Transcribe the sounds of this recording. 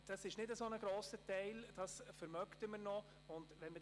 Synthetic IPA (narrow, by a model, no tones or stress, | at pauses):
d̥ɑsɪʃnɪdəsonəɡɾoːsətɛɪld̥ɑsfəɾmœktəməɾnɔ | ʊndʋɛnmə